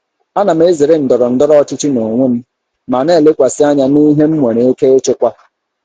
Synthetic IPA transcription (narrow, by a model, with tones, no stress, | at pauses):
a˦na˨m˦e˦zɪ˨ɾɪ˦n̩˨dɔ˨ɾɔ˨n̩˦dɔ˦ɾɔ˦ɔ˦t͡ʃɪ˦t͡ʃɪ˦no˨ŋʷe˦m̩˦ | ma˨ne˦˨le˦kʷa˨sɪ˦a˦ɲa˦ni˦ɦe˦m̩˦mʷe˨ɾe˨e˦ke˦e˦t͡ʃe˦kʷa˦